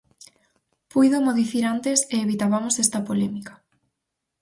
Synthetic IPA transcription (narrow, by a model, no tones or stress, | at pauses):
pujðomoðiθiɾant̪eseːβit̪aβamosɛst̪ɐpolɛmikḁ